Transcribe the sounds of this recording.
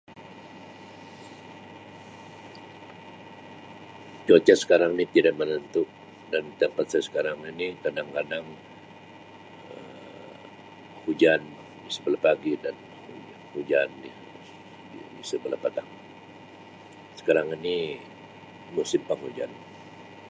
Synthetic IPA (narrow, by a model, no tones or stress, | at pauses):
t͡ʃot͡ʃasə̥kaɾaŋnit̪idaʔmənənt̪ʊʔ̚ | dant̪əmpat̪̚sajsə̥kaɾaŋinikadaŋkadaŋ | ə | hud͡ʒan | isəbəlapaɡidan | hu | hud͡ʒanːi | isəbəlapat̪aŋ | sə̥kaɾaŋini | musɪmpaŋhud͡ʒa̰n